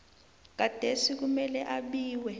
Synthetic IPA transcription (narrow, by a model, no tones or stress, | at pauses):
k̬ad̥ʱesik̬umɛlɛʔaɓiːwɛ